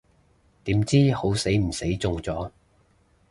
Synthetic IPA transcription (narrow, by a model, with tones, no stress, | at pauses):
t̪iː˨˥mt͡siː˥ho˨˥wse˨˥jm̩˨˩se˨˥jt͡sʊ˧ŋt͡sɔː˨˥